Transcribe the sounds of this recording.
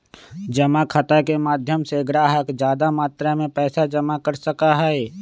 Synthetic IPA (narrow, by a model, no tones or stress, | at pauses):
d͡ʒəmakʰət̪akemaːd̪ʱjəmseɡɾaːɦəkd͡ʒjaːd̪amaːt̪ɾamẽpɛːsad͡ʒəmakəɾsəkaɦɛɛ